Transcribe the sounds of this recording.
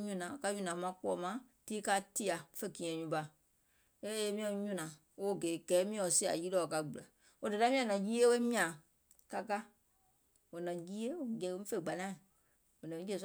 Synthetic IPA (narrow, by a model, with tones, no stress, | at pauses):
ɲũ˧˨nã˨ka˧˦ɲũ˧nã˨˦mã˧˦k͡pɔ˦˨mã˦tiː˦ka˧˦ti˦a˨fe˦˨ɡĩ˨ɛ̃˨ɲũ˨˦ba˧ | e˦e˧˦mĩ˦ɛ̃˧ɲũ˧˨nãː˨ | o˦˨ɡeː˨˦˨ɡɛː˨˦mĩ˦ɛ̃˨o˨si˦˨a̰˨jiː˦lɔ˦˨o˨ka˧˨ɡ͡bu˨la˨ | o˧də˨ta˦mĩ˦ã˨nã˨ji˦e˦we˦mĩ˦ã˨ | ka˧ka˦ | wo˨nã˨ji˦e˦o˨ɡɛ˧˨˦ĩ˦fe˧˨ɡ͡ba˨nã˦˨ | o˨nã˨˦e˦˧˨s